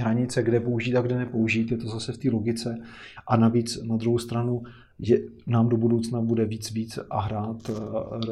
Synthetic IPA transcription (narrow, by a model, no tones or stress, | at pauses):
ɦɾaɲɪt͡sɛɡdɛpouʒiːt̪aɡdɛnɛpo̞uʒiːt̪jɛt̪ozasɛft̪iːlo̞ɡɪt͡sɛ | ʔanaviːt͡snad̪ɾuɦowst̪ɾanu | jɛnaːmdo̞budowt͡snabudɛviːt͡sviːt͡sʔaɦɾaːt̪